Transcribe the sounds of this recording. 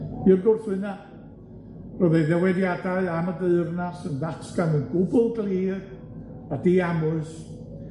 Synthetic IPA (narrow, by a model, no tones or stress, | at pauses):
b̥iːrɡʊrθwɨna | rɔðɛðɛwɛdjadaɨamədəɨrnasəndatʰɡanənɡʊbʊlˠɡliːð | adiamʊɨs